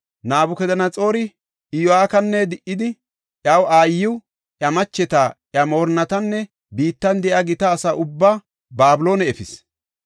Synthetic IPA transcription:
naːbʊkɛd̪ɐnɐt͡sʼo̞ːɾɪ | ʔɪjɔaːkɐnːɛd̪ɪʔːɪd̪ɪ | ʔjɐwaːjːɪw | ʔjɐmɐt͡ʃːɛt̪aʔjɐmo̞ːɾnɐt̪ɐnːɛ | biːt̪ːɐnd̪ɛʔɐɡɪt̪ɐːsɐːʔʊbːa | baːbɪlo̞ːnɛɛfɪs

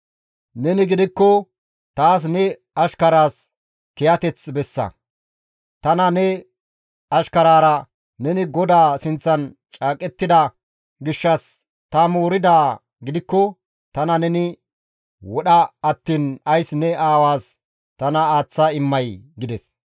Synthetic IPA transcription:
nɛnɪɡɪd̪ɪkːɔ | t̪aːs̬nɛ | ɐʃkɐɾaːs | kɛjɐt̪ɛt͡sbɛsːɐ̰ | t̪ɐnɐnɛ | ɐʃkɐɾaːɾɐ | nɛnɪɡɔd̪aːsɪnt͡sːɐn | t͡ʃʼaːkʼɛt̪ːɪd̪ɐ | ɡɪʃːɐs | t̪ɐmoːɾɪd̪aː | ɡɪd̪ɪkːɔ | t̪ɐnɐnɛnɪ | wɔɗɐɐt̪ːiːnɐjsnɛaːwaːs | t̪ɐnɐaːt͡sːɐɪmːɐjɡɪd̪ɛs

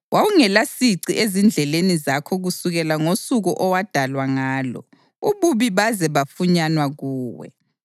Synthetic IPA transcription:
wawuŋɛlasiǀiʔezind͡ɮʱɛlenizakʰɔɣusuɣɛlaŋosuɣuʔɔwad̥ʱalwaŋaːlɔ̰ | uβuβiβazɛβafuɲanwaɣuːwɛ̰

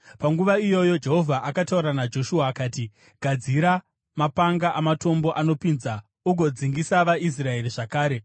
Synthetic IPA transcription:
paŋɡuʋaijo̞jo̞d͡ʒe̞ɦo̞vʱaʔakatauɾanad͡ʒo̞ʃuaːkaːti | ɡʱad͡ziɾa | mapaŋɡaʔamato̞mbo̞ʔano̞pinza | uɡʱo̞d͡ziŋɡisaʋais̬rae̞riʐakaːɾe̞

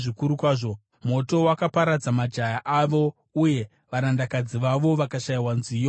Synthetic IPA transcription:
ʐikuɾukwaːʐo̞ | mo̞to̞wakapaɾad͡zamad͡ʒajaʔaʋo̞ | uje̞ | ʋaɾandakad͡ziʋaʋo̞ʋakaʃaiwanzijo

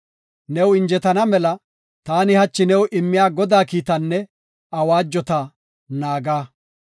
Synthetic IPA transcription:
nɛwɪnd͡ʒɛt̪ɐnɐmɛlɐ | t̪aːnɪhɐt͡ʃːɪnɛwʔɪmːɪjaːɡɔd̪aːkiːt̪ɐnːɛ | ɐwaːd͡ʒːɔt̪ɐ | naːɡaː

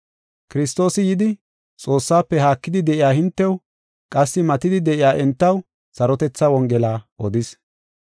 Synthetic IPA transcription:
kɪɾɪst̪o̞ːsɪjɪd̪ɪ | t͡sʼo̞ːsːaːpːɛhaːkːɪd̪ɪd̪ɛʔɪjaːhɪnt̪ːɛw | kʼɐsːɪmɐt̪ɪd̪ɪd̪ɛʔɪjaːʔɛnt̪ːɐw | sɐɾɔt̪ɛt͡sːɐwɔŋɡɛlaːʔɔd̪ɪs

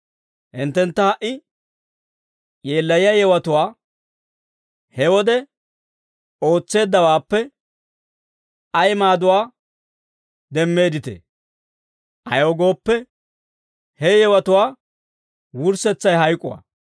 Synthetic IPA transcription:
hɪnt̪ːɛnt̪ːɐhɐʔːɪ | ʔeːlːɐjɪjɐjɛwɐt̪ʊwaː | hɛwɔd̪ɛ | o̞ːt͡sːe̞ːd̪ːɐwaːpːɛ | ʔɐjmaːd̪ʊwaː | d̪ɛmːe̞ːd̪ɪt̪ḛ | ʔɐ̰joːɡo̞ːpːɛ | hɛjɛwɐt̪ʊwaː | wʊɾsɛt͡sːɐjɦɐjkʼːʊwa̰

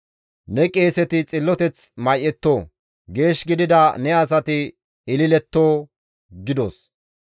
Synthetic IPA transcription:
nɛkʼe̞ːsɛt̪ɪt͡sʼɪlːɔt̪ɛt͡smɐjʔɛt̪ːoː | ɡe̞ːʃɡɪd̪ɪd̪ɐnɛɐs̬ɐt̪ɪ | ɪlɪlɛt̪ːoː | ɡɪd̪os

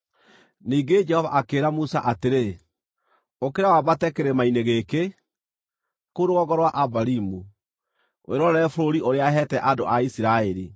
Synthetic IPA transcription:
niːɡed͡ʒɛhɔvaʔakeːɾamusaʔateɾe | okeɾawabatɛkeɾemaineɣeke | koɾoɣɔɣɔɾwaʔabaɾimu | wʔḛɾɔɾɛɛfoɾoɾiʔoɾeaɦɛtɛʔadoʔaisiɾaeɾi

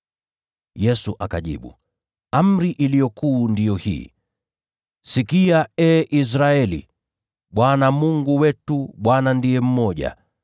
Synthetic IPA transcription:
jɛsuʔakaʄḭɓṵ | am̩ɾiʔilijɔkuːndijɔhḭː | sikiaɛːʔis̬ɾaɛlḭ | ɓwanamuŋɡuwɛtuɓwanandiɛm̩mɔʄa̰

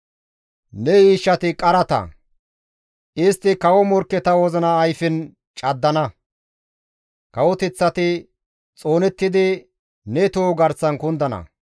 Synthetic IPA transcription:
nɛiːʃːɐt̪ɪkʼɐɾɐt̪ɐ̰ | ʔɪst̪ːɪkɐwɔmɔɾkːɛt̪ɐwɔzɐnɐːjfɪn | t͡ʃʼɐd̪ːɐnɐ | kɐwɔt̪ɛt͡sːɐt̪ɪ | t͡sʼo̞ːnɛt̪ːɪd̪ɪ | nɛt̪oːɡɐɾsɐnkʊnd̪ɐnɐ̰

